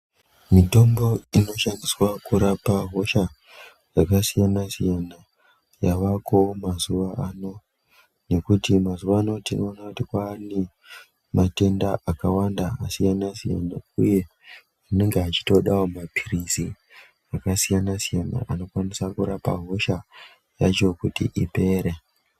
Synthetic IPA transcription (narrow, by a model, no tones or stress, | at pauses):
mito̞mbo̞ino̞ʃandiswakuɾapaɦo̞ʃa | d͡zakasijanasijana | jaʋako̞mazuʋaʔaːno̞ | ne̞kutimazuʋaːno̞tinoːnakutikwaːne | mate̞ndaʔakawandaasijanasija̰nauje̞ | ane̞ŋɡeat͡ʃi̥to̞ɗawomapʰirizi | akasijanasijana̰ʔano̞kwanisakuɾapa̰ɦo̞ʃa | jat͡ʃokutḭʔipe̞ːɾe